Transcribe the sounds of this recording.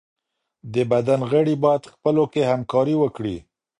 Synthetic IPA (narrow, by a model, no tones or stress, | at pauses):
d̪əbad̪anɣəɽibɑjad̪xpəlokehamkɑɾiwəkɽḭ